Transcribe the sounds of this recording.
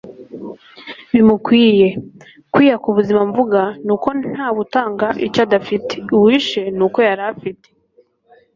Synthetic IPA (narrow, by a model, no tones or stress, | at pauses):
βimukwiːje̞ | kwiːjakuβuzimaɱvuɡanuːko̞n̥haːβutaːŋɡaʔit͡ʃadafite̥uwiːʃe̞nuːko̞jaɾafite̥